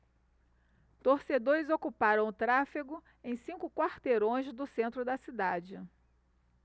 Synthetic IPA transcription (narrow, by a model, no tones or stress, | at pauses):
t̪oɾsed̪oɾɪzokupaɾɐ̃w̃ʊt̪ɾafiɡʊ | ẽj̃sĩkʊkwaɾt̪eɾõj̃zd̪ʊsẽnt̪ɾʊd̪ɐsid̪ad͡ʒɪ